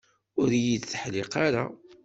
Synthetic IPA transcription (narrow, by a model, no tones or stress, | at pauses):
ʊɾjid̪θəħlɪqaɾa̰